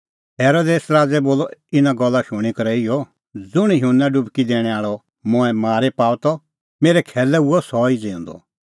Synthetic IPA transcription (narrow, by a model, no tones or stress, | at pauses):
ɦeːɾoːd̪eːsɾaːd͡zɛboːlɔɪnaɡɔlːaʃʊɽ̃ikɐɾɛɪjɔ | d͡zʊɽ̃jɦunːaɖʊbʱkid̪eːɽ̃ɛ̃aːɭɔ | mʊ̃ɛmaːɾɛpaːwt̪ɔ | meːɾɛkʰɛːlɛuɔsɔid͡zẽːʊ̃nd̪ɔ̰